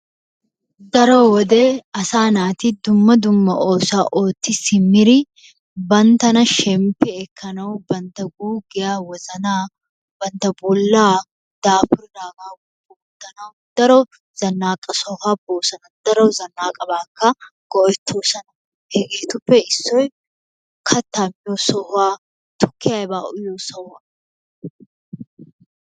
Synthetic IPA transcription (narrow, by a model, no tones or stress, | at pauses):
d̪ɐɾoːwɔd̪eːɐsaːnaːt̪ɪd̪ʊmːɐd̪ʊmːɐ̰ʔoːsaːʔoːt̪ːɪsɪmːɪɾɪ | bɐnt̪ɐnɐʃɛmpɪɛkʰːɐnɐʊbɐnt̪ɐɡuːɡɪjaːwɐzɐnaː | bɐnt̪ɐbʊlːaː | d̪̥aːfʊɾd̪aːɡaːɡubʊʊt̪ːɐnɐʊd̪̥ɐɾɔ | z̥ɐnːaːkʼɐsɔhaːboːsɐnɐd̪̥ɐɾɔwzɐnːaːkʼɐbaːkːɐɡ̥ɔɔjt̪ʰːoːsɐnɐ | hɛɡeːt̪ʊpːɛɪsːɔj | kʰɐt̪ːamɪjosɔhaː | t̪ʊ̥kːɪjajbaːʔʊjosɔhɐ